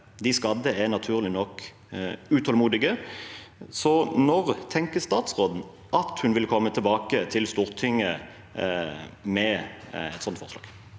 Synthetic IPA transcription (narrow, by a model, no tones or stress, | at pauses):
d̪ɪskɑd̪əɛnɑt̪ʰʉːʁlɪnɔkː | ʉt̪ʰɔlmuːd̪ɪɡə | sɔnɔʁt̪ʰɛŋkəst̪ɑːt̪sʁoːd̪n̩ | ʔɑt̪hʉnʋɪlkʰɔmːət̪ʰɛbɑːkət̪ʰɪlst̪uːʁt̪ʰɪŋːə | mɛɛ̰t̪sɔnt̪fɔʁslɑːɡ